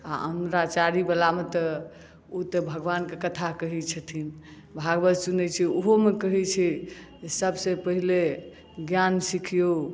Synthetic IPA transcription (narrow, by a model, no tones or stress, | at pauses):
a̰əmɾat͡ʃaɾibelamet̪ə | ot̪əbʱəɡʋankekət̪ʰakəɦɛt͡ʃʰət̪ʰin | bʱaɡbət̪sunɛt͡ʃʰɛoɦomekəɦɛt͡ʃʰɛ | səbsepəɦile | ɡjansikʰijo